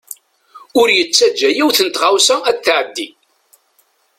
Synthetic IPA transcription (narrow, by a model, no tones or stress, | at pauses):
ʊɾjət͡sːæd͡ʒːæjiwθənt̪ʁawsææθʕəd̪ːi